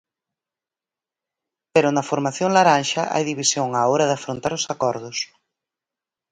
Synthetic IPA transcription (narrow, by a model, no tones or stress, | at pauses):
peɾʊnɐfoɾmaθjoŋlaɾanʃɐʔa̰jðiβisjoŋaoɾɐðafɾont̪aɾʊsakɔɾðʊs